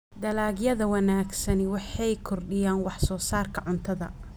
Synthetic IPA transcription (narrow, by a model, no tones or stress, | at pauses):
d̪ɐlaːɡjɐðɐwɑnaːɡsɐnwɑħɑjkʰɔrɖɪjaːnwɑħsɔːsaːrkʰɐʕʊnt̪ʰɐðɐ̰